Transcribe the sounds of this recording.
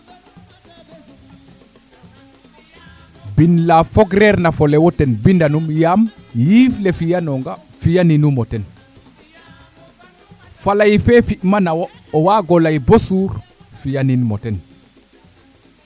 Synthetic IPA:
binlafɔɡɾɛɾnafɔlɛwɔtɛnbindanumjamjiflɛfijanɔŋɡa | fijaninumɔtɛn | falajfɛfimanawɔɔwaɡɔlajbosuɾfijaninmɔtɛn

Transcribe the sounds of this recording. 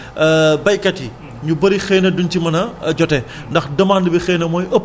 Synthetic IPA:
bɐjkɐti | ɲubɐɾixɛːnɐduntimɐnɐd͡ʒɔtɛ | ndɐxdɐmaːnlibixɛːnɐmɔːjʔɐpː

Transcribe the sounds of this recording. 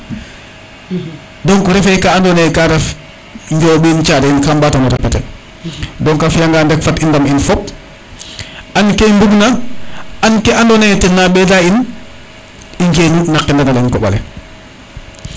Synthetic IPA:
dɔŋkɔɾɛfɛkaandɔnɛkaɾɛf | ɲd͡ʒɔbint͡ʃaɾinkambatamɔɾɛpːatɛ | dɔŋkafjaŋɡaːndɛkfatindaminfɔp̚ | ankembuɡna | ankɛandɔnɛtɛnːabɛdain | iɲd͡ʒenunakːɛndanalanŋkɔɓa̰lɛ̰

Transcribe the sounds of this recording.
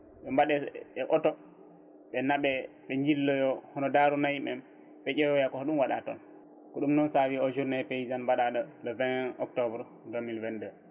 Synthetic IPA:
ɓɛmbaɗɛɛʔɔtɔ | ɓɛnaɓɛ | ɓɛɲd͡ʒilːɔjɔhɔnɔdaɾunajimɛ̰m | ɓɛd͡ʒɛwɔjakɔhɗumwaɗa̰tɔ̰n | kɔɗumnɔnsawiɔd͡ʒuɾnaɛpeizanbaɗaɗɔlɔvɛnɔ̰k̚tɔbɾ | domilvɛndɛ

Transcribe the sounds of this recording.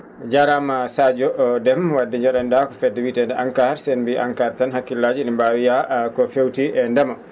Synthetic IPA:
d͡ʒaɾamasad͡ʒɔʔdɛmwadːɛɲd͡ʒɔɗandakɔfɛdːɛwitɛndɛʔaŋkaɾsɛnbiʔa̰ŋkaɾtanhakːilːad͡ʒinɛmbawijakɔfewtiʔɛndɛma

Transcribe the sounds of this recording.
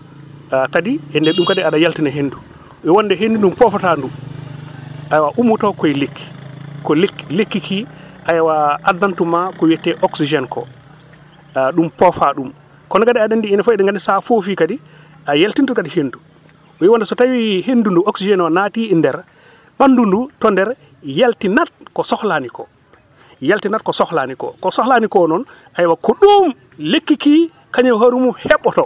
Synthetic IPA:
kadiɛndɛɗumkadiaɗajaltinɛɦendu | ɛwɔndɛɦendunɗumpɔfatandu | ʔajawaʔumutɔkɔjlekːi̥kɔlekːlekːikʰiʔajawaadːantumakɔwɛtːɛʔɔksid͡ʒɛnkɔ̰ | ɗumpɔfaɗum | kɔnɛkadiaɗandiːnafɔɛɗɛŋɡanisafofikadi | ajaltintukadihendu | wiwandɛsɔtawihendunduɔksid͡ʒɛnwɔnatindɛɾ | ɓandundutɔndɛɾ | jaltinat̚kɔsɔhlanikɔ̰ | jaltinat̚kɔsɔxlanikɔ̰kɔsɔhlanikɔnɔn | ʔajwakɔɗum | lekːiki | kaɲaɦaɾumumhɛɓːɔtɔ

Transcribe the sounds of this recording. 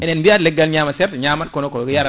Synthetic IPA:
ɛnenbiatleɡalɲamasɛɾtɲamakonokojaɾ

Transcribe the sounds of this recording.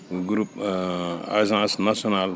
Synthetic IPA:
ɡɾup | a̰jzãsnasonal

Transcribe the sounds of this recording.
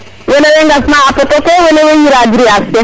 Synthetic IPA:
weneweŋɡasmaapɔtokewenewejiɾadiɾiakse

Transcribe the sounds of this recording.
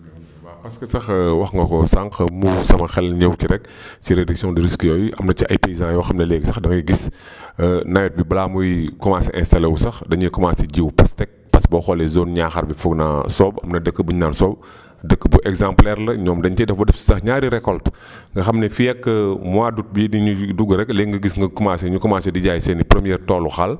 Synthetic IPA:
bapɐskəsɐxwɐxŋɡɐkɔsaŋxɐmusɐmɐxɛlːɲəwkiɾɛk̚ | ciɾediksijɔ̃ndiɾiskijɔːjiʔɐmnɐciʔɐ̰jpezãjwɐxɐmnɐlɛɡsɐxdɐŋiɡis | najɔt̚bibɐlaːmujikɔmaːsiʔɛ̃nstɐlewusɐxdɐɲukɔmaːsiɟiwpɐstɛk̚pɐsbɔxɔlɛzoːnɲaːxɐɾbifuɡna̰sɔːbɐ̰mnɐdəkːəbuɲansɔːb̚ | dəkːəbuʔɛɡzãmplɛɾlɐɲɔːmdɐɲt͡ʃɛdɐfbɐdɛfsi̥sɐxɲaːɾiɾɛkɔlt | ŋɡɐxɐmnɛfijɛkːəmwaːdut̚bidiɲuduɡəɾɛkːleŋɡəɡisŋɡɐkumaːsiɲukumasidiɟaːjsɛnipɾəmijɛɾtɔːluxal

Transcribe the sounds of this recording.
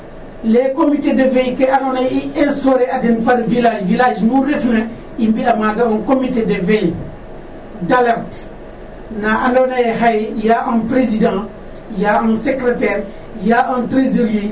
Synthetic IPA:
lekomitedevejkeanonaiɛ̃nstoɾeadenpaɾvilaʒvilaʒmuɾefna | imbiamaɡaãnkomitedevej | dalaɾt | naʔanonajɦajjaʔãnpɾezidã | jaãnsekɾetɛːɾ | jaʔãntɾezolje

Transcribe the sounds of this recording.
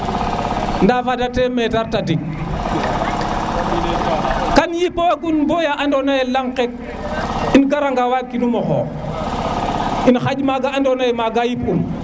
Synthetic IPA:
ndafadatemɛtaɾtadiŋ | kanjipoaɡunbojaʔandonajɛlaŋkɛk̚ | inɡaɾaŋɡawakinumɔxɔ̰ | inxaɟmaɡaandonajɛmaɡajipum

